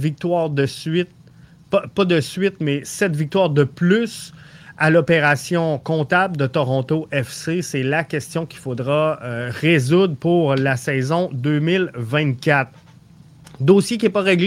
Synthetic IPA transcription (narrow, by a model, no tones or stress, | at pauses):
vik̚t̪waːʁd̪əsɥɪt̪̚ | ppad̪əsɥɪt̪mɛsɛt̪vik̚t̪waːʁd̪əplysalɔpeʁasjɔ̃kɔ̃t̪abld̪ət̪ɔʁɔ̃t̪oʔɛfsesɛlakʲɛst̪jɔ̃kʲi̥fod̪ʁaøʁezud̪ʁpuʁlasɛːzɔ̃d̪øːmɪlvɛ̃t̪̚kʲat̪χ | d̪oːsjekʲiɛpaʁeɡl